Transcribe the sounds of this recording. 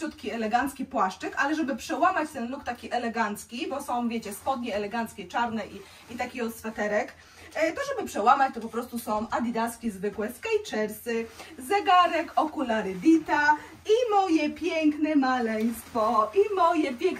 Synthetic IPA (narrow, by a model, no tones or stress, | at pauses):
ut̪kʲiɛlɛɡant̪skʲipwaʂt͡ʂɘkalɛʐɛbɘpʂɛwamat͡ɕt̪ɛnlukt̪akʲiʔɛlɛɡant̪skʲibɔsɔ̃w̃vʲjet͡ɕɛspɔd̪ɲɛɛlɛɡant̪skʲɛt͡ʂaɾnɛʔi | it̪akʲiɔsfɛt̪ɛɾɛk | t̪ɔʐɛbɘpʂɛwamat͡ɕt̪ɔpɔpɾɔst̪usɔ̃w̃ad̪ʲid̪askʲizvɘkwɛskajt͡ʂɛɾsɘzɛɡaɾɛkɔkulaɾɘd̪ʲit̪a | imɔjɛpʲjɛŋknɛmalɛj̃st̪fɔimɔjɛpʲjɛŋk